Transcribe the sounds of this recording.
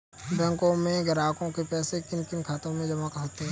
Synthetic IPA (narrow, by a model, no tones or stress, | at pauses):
bɛ̃ŋkõmẽɡɐɾaːkõkepɛːsekɪnkɪnkʰaːt̪õmẽd͡ʒɐmakɦoːt̪eɦɛ̃